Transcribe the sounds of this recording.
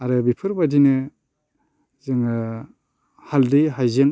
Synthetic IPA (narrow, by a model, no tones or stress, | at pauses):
aɾɯbipʰɯɾbadinɯ | zɯŋ | haldɯjɦajzeŋ